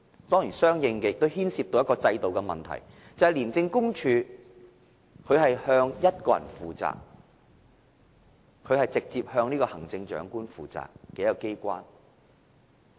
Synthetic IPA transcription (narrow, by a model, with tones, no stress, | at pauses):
t̪ɔː˥ŋjiː˨˩nsœː˥ŋjɪ˧ŋkɛ˧jɪk̚t̪o˥whiː˥nsiː˧p̚t̪o˨˧wjɐ˥kɔː˧t͡sɐ˧jt̪o˨wkɛ˧mɐ̰˨˩nt̪ʰɐ̰˨˩j | t͡sɐ˨hɐ˨jliː˨˩nt͡sɪ˧ŋkʊ˥ŋt͡ʃʰyː˨˧ | kʰɵ˨˧ɥhɐ˨jhœː˧ŋjɐ˥t̚kɔː˧jɐ̰˨˩nfuː˨t͡sa̰ː˨k̚ | kʰːɵ˨˧hɐ˨jt͡sɪ˨k̚t͡siː˧p̚hœː˧ŋniː˥kɔː˧hɐ˨˩ŋt͡sɪ˧ŋt͡ʃœ̰ː˨˥ŋkuː˥nfṵː˨t͡sa̰ː˨˩k̚ːɛ˨˥jɐ˨˩wke˥jkʷaː˥n